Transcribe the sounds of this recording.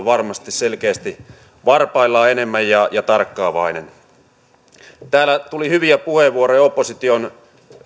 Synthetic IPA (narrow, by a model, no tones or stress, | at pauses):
ʋɑrmɑst̪isselkeːst̪i | ʋɑrpɑilːɑːenemːæjjɑjɑt̪ɑrkːɑːʋɑ̰inen | t̪æːlːæt̪ulihyʋiæpuheʋuoɾejopːosit̪ion